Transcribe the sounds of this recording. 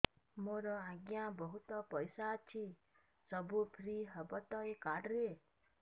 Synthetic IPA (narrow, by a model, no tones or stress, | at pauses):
moɾɔãɡjabɔɦut̪ɔpɔjsat͡ʃʰi | sɔbupʰɾiɦɔbɔt̪ɔjkaɖɾe